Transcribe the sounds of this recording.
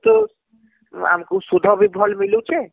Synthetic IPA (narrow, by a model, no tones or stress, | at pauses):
t̪o | a̰mkewsud̪ʱɔbʱibʱɔlmiluwt͡ɕʰe